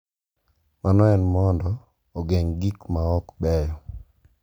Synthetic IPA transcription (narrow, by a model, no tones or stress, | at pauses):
manɔɛnmɔndɔː | ɡɛŋɡikmaɔkbɛjɔ